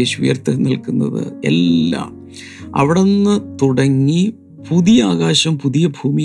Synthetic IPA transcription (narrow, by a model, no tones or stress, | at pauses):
eːɕṵjɐrt̪ɨnilkunːɐ̰ðɨ̰ḛlːɐ̰m | ɐ̰ʋiɽenːɨt̪uɽɐŋːi | puðijɐaːɣaːɕɐmpuðijɐbʱuːmi